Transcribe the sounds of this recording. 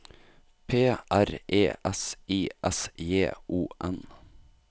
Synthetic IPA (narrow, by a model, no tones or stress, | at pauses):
pʰeːʔæɾʔeːʔɛsiːʔɛsjeːʔuːʔɛn